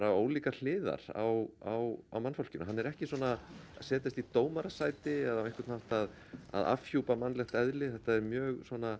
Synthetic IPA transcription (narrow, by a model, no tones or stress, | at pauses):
ɾavoːwliːkal̥ɪːða̰ɾ̥a̰wawawmanfowl̥cɪnɦanːɛɾɛhcɪswɔːnasɛːt̪ɪst̪it̪oːwmaɾasaːjt̪ɪaðaveŋkvaɾt̪nawht̪að | a̰ða̰fçuːpamanːlɛxt̪ɛðlɪθɛht̪ːaɛɾmjœːɣsɔːna